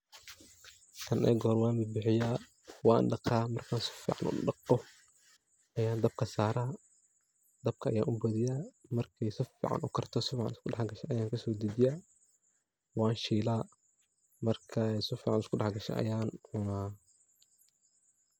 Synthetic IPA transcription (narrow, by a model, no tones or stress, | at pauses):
k̪ʰɐnʔɛ̰ːɡɔːɾwɑːmbɪbɪħɪjaː | wɑːnɖɑqaːmɐrkʰaːnsɪ̥fḭːʕɑ̰nʔʊ̰ɖɑqɔ | ʔɐjaːnd̪ɐb̚kʰɐsaːɾaː | d̪ɐb̚kʰɐʔɐ̰ja̰ːʔʊbɐðɪjaːmɐrkʰɛjsɪfḭːʕɑ̰nʊkʰɐrt̪ʰɔsɪfiːʕɑ̰nɪskʰʊɖɑħɡɐʃɛʔɐjaːŋkʰɐsɔːd̪idɪjaː | wɑːnʃiːlaː | mɐrkʰɐɛjsɪfiːʕɑnɪskʰʊɗɑħɡɐʃɛ̰ʔɐ̰jaːnʊnaː